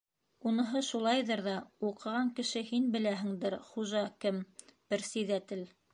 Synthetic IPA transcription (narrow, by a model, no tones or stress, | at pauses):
unɤ̆ɦɤʃulˠɑjðɤɾðɑuqɤ̆ʁɑŋkɘ̆ʃɘhinbɘ̆læɦɘ̆ŋd̪ɘɾχuʒɑkɘmpɘ̆ɾsĭðæt̪ɘl